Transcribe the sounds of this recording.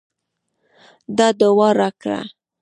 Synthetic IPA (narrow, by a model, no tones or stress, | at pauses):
d̪ɑd̪awɑɾɑkɽa̰